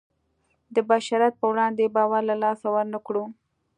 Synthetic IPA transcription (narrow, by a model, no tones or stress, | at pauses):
d̪əbaʃɑɾat̪̚pəwɽɑnd̪ebɑwaɾlalɑsawaɾnakɽu